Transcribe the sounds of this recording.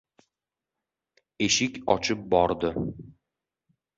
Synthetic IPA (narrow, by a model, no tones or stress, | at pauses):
eʃɪkʲɒ̰t͡ʃʰɪp̚bɒɾd̪ɪ